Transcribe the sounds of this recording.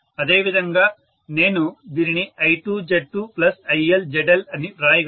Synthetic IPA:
ɐd̪eːʋid̪ʱɐŋɡɐː | neːnud̪iɾiɳiʔɐjʈuːd͡ʒeɖ̚ʈuplɐsɐjeld͡ʒeɖɐlɐnːiɾaːjiɡ

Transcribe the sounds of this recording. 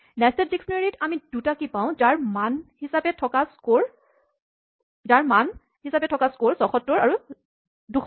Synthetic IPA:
nastɛtziksneɹitamid̥utakipãʊ̃d͡ʒaɹmanhisapɛtʰɔkaskoɹ | d͡ʒaɹman | hisapɛtʰɔkaskoɹsɔxɔtːɔɹaɹu | dux

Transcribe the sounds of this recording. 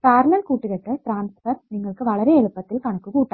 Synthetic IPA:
paːɾlɐlkuːʈːɯkɛʈːɐʈɾaːnsfɐɾniːŋɡɐɭɯkːɯʋɐɭɐɾeːɛɻɯpːɐt̪ːɪlkɐɳɐkːɯkuːʈːã

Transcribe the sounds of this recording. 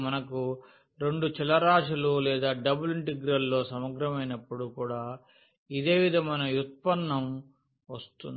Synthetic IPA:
mɐnɐku | ɾe̞ɳɖut͡ʃilɐɾaːʂɐlulɛːd̪aːɖɐbuliɳʈiɡɾɐlːo̞ːsɐmɐɡɾɐmɐjnɐpːuɽukuːɽaː | id̪e̞ːʋid̪ʱɐmɐjnɐjut̪̚pɐnːɐm | ʋɐst̪und̪

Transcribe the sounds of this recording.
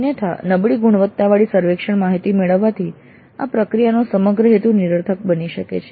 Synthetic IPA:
njət̪ʰa̰nəbɭiɡuɳ̃ʋət̪ːaʋaɭisəɾʋekʃəɳmaɦit̪imeɭəʋːat̪ʰi | a̰pɾəkɾijanosəməɡɾəɦet̪uniɾəɾt̪ʰək̚bəniʃəkḛt͡ʃʰe

